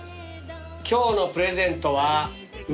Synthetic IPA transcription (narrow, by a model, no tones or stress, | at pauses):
kʲo̞ːno̞pɯ̟ɾe̞zẽ̞nt̪o̞βa | m